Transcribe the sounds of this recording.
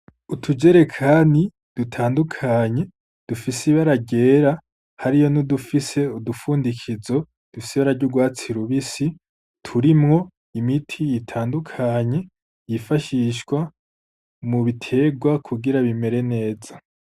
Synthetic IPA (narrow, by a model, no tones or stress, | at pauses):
utʰud͡ʒe̞ɾe̞kʰaːni | d̥utʰaːndukʰaɲe̞ | d̥ufisiβaɾaɟe̞ːɾa | haɾijo̞nudufise̞udufuːndikʰizo̞ | d̥ufisiβaɾaɾɟuɡwaːt͡siɾuβisi | tʰuɾimŋo̞ | imitʰijitʰaːndukʰaɲe̞ | jifaʃiʃkwa | muβitʰe̞ɡwakʰuɡiɾaβime̞ɾe̞ne̞ːza